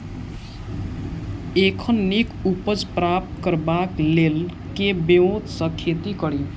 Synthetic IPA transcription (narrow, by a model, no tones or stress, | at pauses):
ekʰʌnːikupʌd͡zprap̚t̪kʌrbaklel | kebewot̪sʌkʰːet̪ikʌɽi